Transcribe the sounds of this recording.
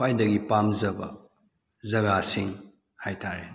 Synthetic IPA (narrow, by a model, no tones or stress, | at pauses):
ajdɐɡipamzɐbɐ̰ | zɐɡasiŋ | hajtʰaɾe